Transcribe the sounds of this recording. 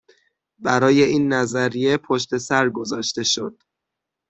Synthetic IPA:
bæɾɒːje̞ʔiːnːæzæɾije̞pʰo̞ʃt̪e̞sæɾɡo̞zɒːʃt̪e̞ʃod̪̥

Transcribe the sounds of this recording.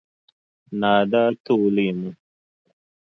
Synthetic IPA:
naːd̪aːt̪uːlimu

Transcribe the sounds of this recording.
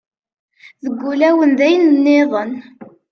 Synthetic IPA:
ðəɡʷːulæwənðæjənnːeðˤən

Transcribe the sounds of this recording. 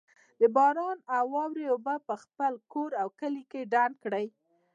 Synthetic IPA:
d̪əbɑɾɑnawɑwɾeobapəxpəlkoɾawkəlikeɖand̪̚kɽəj

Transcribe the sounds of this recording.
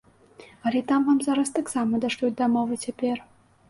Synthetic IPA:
ɐlʲɛt̪amvamzaɾɐst̪aksamɐd̪ɐʂlʲut̚ʲd̪ɐmɔvɨt͡sʲapʲɛr

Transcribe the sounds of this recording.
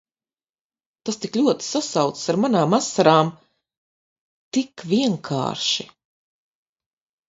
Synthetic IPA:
t̪ast̪iklʲuɔt̪i̥sasawt̪ssaɾmanaːmasːaɾaːm | t̪ikvʲiɛŋkʰa̰ːɾʃi

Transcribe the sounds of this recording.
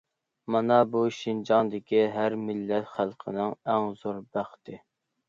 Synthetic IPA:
mɑnɑbuʃind͡ʒɑŋd̪ɪkʲiɦæɾmɪlːɛt̪χælˠqʰənɨŋæŋzoɾbæχt̪ɪ

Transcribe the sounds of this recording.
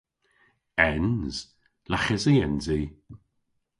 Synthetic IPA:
ɛnz̥ | laxɛziɛnzi

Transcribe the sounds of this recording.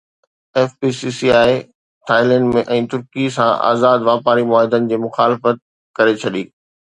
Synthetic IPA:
ɛːfpiːsisiaːi | ʈʰaːɪlɛ̃ːɳɖmẽʔɛ̃ːt̪ʊɾkisãʔa̰ːzaːd̪ʋaːpaːɾimʊaːɦɪd̪ənɪ̆d͡ʑeːmʊxaːlɪfət̪̚ | kɐɾet͡ɕʰɐɗiː

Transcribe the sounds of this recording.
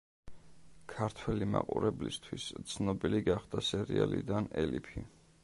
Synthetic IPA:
kʰaɾt̪ʰwɛlima̰qʼuɾɛblist̪ʰwist̪sʰnɔbiliɡaχd̪asɛɾialid̪anɛlipʰi

